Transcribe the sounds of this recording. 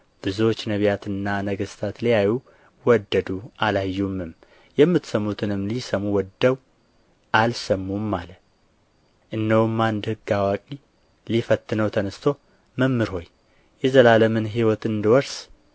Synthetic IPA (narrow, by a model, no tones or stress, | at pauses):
b̥ɨzuwot͡ʃːnəβjat̪ɨnːanəɡəst̪ʰat̪lijaju | wɔd̪ːəd̪ualajːumːɨm | jɛmːɨt̪səmːut̪ʰɨnɨmːlisəmuwɔd̪ːəw | ʔalsəmːumːalə | ʔɨnːəwumːand̪hɨɡːawakʼi | lifət̪ːɨnəwt̪ʰənɨst̪ʰo̞ | məmːɨɾho̞j | jɛzəlaləmɨnɦiwɔt̪ɨnd̪wɔɾs